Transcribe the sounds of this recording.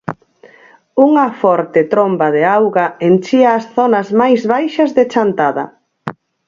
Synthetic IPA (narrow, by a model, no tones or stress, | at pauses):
uŋɐfɔɾt̪ɪt̪ɾombɐðeawɣɐent͡ʃiɐːsθɔnɐzmajzβajʃɐzðet͡ʃant̪aðɐ̰